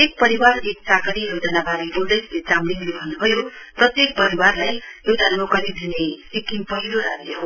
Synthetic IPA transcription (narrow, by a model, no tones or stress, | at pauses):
ek̚pʌɾiwarek̚sakʌɽiɾʌwd͡zʌnabaɾibold̪ʌjslet͡samɽinlebʱʌnːubʱʌjo | prʌt̪jek̚pʌɾiwarlajjewt̪anmokʌɾid̪ʱinesikimpʌɦiloɾaeɦo